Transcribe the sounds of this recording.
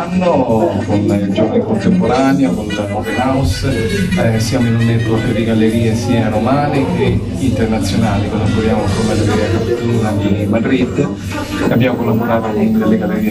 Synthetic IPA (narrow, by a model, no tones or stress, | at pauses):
anːokonid͡ʒorniŋkont̪empoɾaːneakonmɔt̪inaws | sjaːmoinunːet̪uaped̪iɡalːeɾiːesiːaɾomaːnie | int̪ernat̪sːjonaːlikosant̪oɾjaːmfomad̪ɾiakapt̪uuːnad̪imad̪ɾid̪ː | abːjaːmokolːaboɾaːt̪okund̪elːeɡalːeɾiː